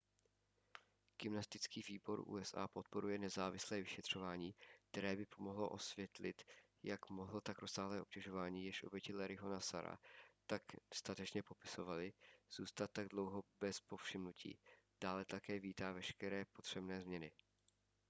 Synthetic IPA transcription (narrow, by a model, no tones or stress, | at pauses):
ɡ̥ɪmnast̪ɪt͡skiːviːbo̞ɾʔṵːɛsʔa̰ːpo̞t̪̚po̞ɾujɛnɛzaːvɪslɛːvɪʃɛt̪r̝̥o̞vaːɲiːk̚t̪ɛɾɛːbɪpʰo̞mo̞ɦlo̞̰ʔo̞svjɛt̪lɪ̰t̪ | jakmo̞ɦlot̪akɾosaːɦlɛːo̞p̚cɛʒo̞vaːɲiːjɛʃʔo̞̰bjɛcɪlɛɾɪɦo̞nasa̰ɾa̰t̪akst̪at̪ɛt͡ʃɲɛpo̞pɪ̥so̞valɪz̥uːst̪at̪̚ːaɡdlo̞wɦo̞bɛspo̞fʃɪmnucʰḭːd̥aːlɛt̪akɛːviːt̪aːvɛʃkɛɾɛːpo̞t̪r̝̥ɛbnɛːzmɲɛnɪ